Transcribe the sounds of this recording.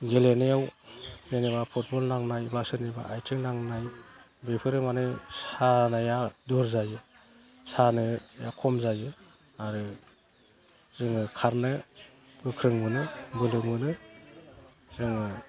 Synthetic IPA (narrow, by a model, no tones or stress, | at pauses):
ɡelenejawmeneβapʰut̚bɔlnaŋnajbasɯniba̰ʔajtʰiŋnaŋnaj | bepʰɯɾɯmanɯsanajaduɾzajɯ | sanɯja̰kʰɔmzajɯ | aɾɯ | zɯŋɯkʰaɾnɯɡɯkʰɾɯŋmɯnɯbɯlɯmɯnɯ | z̥ɯŋɯ